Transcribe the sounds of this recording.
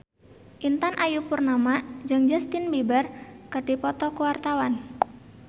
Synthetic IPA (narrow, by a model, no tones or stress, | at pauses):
ʔint̪anʔajupurnamḁd͡ʒɨŋd͡ʒast̪ɪnbibarkəɖ̥i̤pɔt̪ɔkəwart̪awan